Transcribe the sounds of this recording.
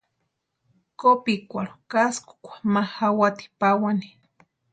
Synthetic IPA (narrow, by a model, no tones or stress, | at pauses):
kopikʷaɾokaskʊ̥kʷḁmahawat̪i̥pawani̥